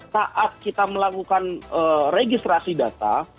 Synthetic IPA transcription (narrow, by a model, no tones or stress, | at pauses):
saʔat̪̚kit̪aməlakukanəreɡist̪ɾasidat̪a̰